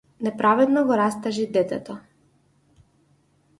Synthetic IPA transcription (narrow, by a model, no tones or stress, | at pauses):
nɛpɾavɛd̪nɔɡɔɾast̪aʒid̪ɛt̪ɛt̪ɔ